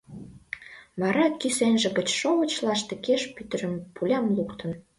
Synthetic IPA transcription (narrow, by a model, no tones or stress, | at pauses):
βɑɾɑkisenʒə̆ɣət͡ɕʃoβə̆t͡ɕlɑʃt̪ĕkeʃpyt̪ə̆ɾə̆mpulʲɑmlukt̪ə̆n